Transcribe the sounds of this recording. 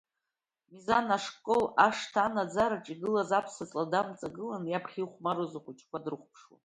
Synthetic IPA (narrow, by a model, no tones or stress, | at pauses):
mizanaʂkʼolaʂtʰaanad͡zaɾaʈ͡ʂʼiɡɨlazapʰsat͡sʼladamt͡sʼaɡɨlanjapʰχʲiχʷmaɾozaχʷʊt͡ʃʰʼkʷʰadrɨχʷpʰʂwa̰